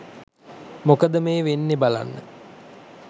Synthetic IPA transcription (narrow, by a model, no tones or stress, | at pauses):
mokəd̪əmeːʋenːebala̰nːə̰